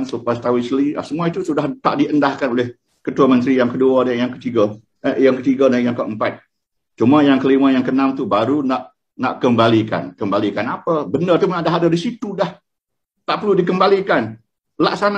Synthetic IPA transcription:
nsupast̪awislia̰səmuait̪usudaht̪a̰ʔdiəndahkanolɪh | kət̪uamənt̪ɾijaŋkəduadanjaŋkət̪iɡa | jaŋkət̪iɡadanjaŋkəəmpat̪̚ | t͡ʃumajaŋkəlimãjaŋkənamt̪ubaɾunaʔ | naʔkəmbalika̰nkəmbalikanapabəndərt̪umanadaɦadadisit̪udah | t̪aʔpərludik̬əmbalikan | laksan

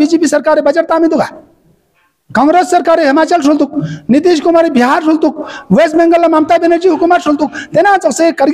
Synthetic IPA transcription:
biːd͡ʒeːpisɐɾkaːɾibɐd͡ʒɐʈt̪aːmid̪uɡaː | kãːŋɡɾesːɐɾkaːɾeɦɪmaːt͡ʃəls̬ult̪uk̚nid̪iʃ̬komaɾibʱiɦaɾsult̪uk̚ʋeːsbẽŋɡəlːɐmaːmt̪abeneɾd͡ʒiɦukumat̪ʃult̪uk̚t̪enãːt͡sɐksekɐɾɡ

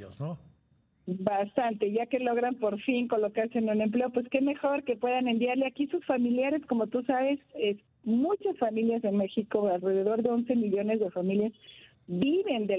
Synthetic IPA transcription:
ozno | bast̪ant̪e̞ʝake̞lo̞ɣ̞ɾanpo̞ɾfiŋko̞lo̞kaɾse̞ːnũne̞mpleo̞pwe̞ske̞me̞xo̞ɾke̞pwe̞ðane̞mbjaɾleakisusfamiljaɾe̞sko̞mo̞t̪usaβe̞ses | mut͡ʃasfamiljase̞nme̞xiko̞alre̞ð̞e̞ðo̞ɾðe̞o̞nse̞miʎo̞ne̞zðe̞familjaz | βiβe̞nd̪e

